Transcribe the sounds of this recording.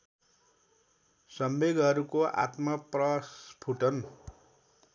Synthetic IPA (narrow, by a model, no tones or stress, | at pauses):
sʌmbeɡʌɾukoʔa̰t̪mʌprʌspʰuʈʌn